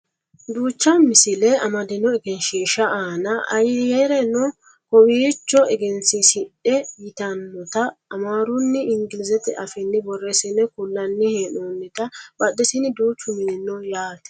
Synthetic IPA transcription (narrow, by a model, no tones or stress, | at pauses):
d̪uːt͡ʃːɐmɪsɪlɛɐmɐd̪ɪnɔɛɡɛnʃiːʃɐʔaːnɐɐjjɛɾɛnɔ | kɔwiːt͡ʃːɔɛɡɛnsɪsɪᶑɗɛjɪt̪ɐnːɔt̪ɐːmaːɾʊnːɪɪŋɡɪlɪzɛt̪ɪʔɐfɪnːɪbɔrːɛsɪnɛkʊlːɐnːɪhenoːnːɛt̪ɐbɐd̪ːɛsɪnɪd̪uːt͡ʃːʊmɪnɛnːɔjaːt̪ɛ̥